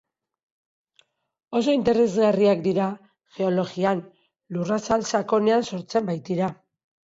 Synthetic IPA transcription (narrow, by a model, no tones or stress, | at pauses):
o̞so̞int̪e̞ɾe̞zɣariakd̪iɾa | xe̞o̞lo̞ɣian | lurasalsako̞ne̞anso̞ɾt͡se̞mbajt̪iɾa